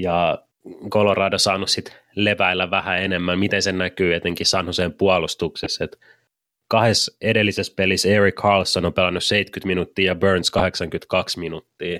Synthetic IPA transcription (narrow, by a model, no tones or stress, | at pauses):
jɑ | kolorɑːdɑsɑːnussit̪ | leʋæilːæʋæhæenemːæmmit̪ensennækyːet̪eŋkissɑnhoseːmpuɑlust̪ukseset̪ | kɑhesedelːisespeliseɹikhɑːlsːonompelænːusseit̪kyt̪minut̪ːiːjɑbøːnskɑheksɑŋkyt̪kɑksminut̪ːiː